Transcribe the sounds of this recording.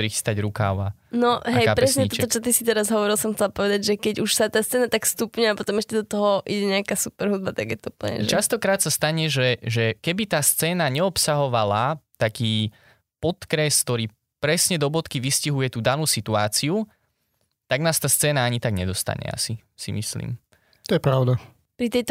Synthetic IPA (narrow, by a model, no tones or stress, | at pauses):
pɾixi̥st̪aɟɾuka̰ːʊa̰nɔɦɛjkapɾɛs̬ɲɛit̪ɔɛt̪ɔt͡ʃɔt̪isit̪ɛɾazɦɔʋɔɾilsɔmxt͡sɛlapɔʋɛd̪aɟʒɛkɛɟuʃsat̪aːst̪t͡sɛːnat̪akst̪upɲuapɔt̪ɔmɛʃcɛd̪ɔt̪ɔɦɔʔiɟɛɲɛakasupɛɾɦud̪̚bat̪aɡjɛt̪ɔuplɲɛ̰ʒt͡ʃast̪ɔkɾaːt̪sast̪aɲɛʒɛʒɛkɛbit̪aːst͡sɛːnaɲɛɔpsaɦɔʋalat̪akiː | pɔt̪kɾɛskt̪ɔɾiː | pɾɛsɲɛd̪ɔbɔt̪kiʋisciɦujɛt̪uːd̪anuːsit̪uaːt͡siu | t̪aɡnaːst̪aːst͡sɛːnaaɲit̪aɡɲɛd̪ɔst̪a̰ɲɛ̰a̰si | sḭmḭslḭːm | t̪ɔjɛpɾaʊd̪a | pɾit̪ɛjt̪